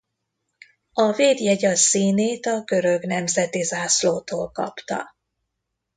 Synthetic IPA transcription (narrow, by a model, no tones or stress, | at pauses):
ɒveːd̪jɛɟɒsːiːneːt̪ɒɡø̞ɾø̞ɡnɛmzɛt̪izaːsloːt̪oːlkɒ̰pt̪ɒ̰